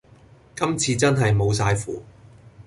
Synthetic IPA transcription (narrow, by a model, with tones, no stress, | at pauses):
kɐ˥mt͡sʰiː˧t͡sɐ˥nɦɐ˨jmo˨˧wsaː˧jfṵː˨˩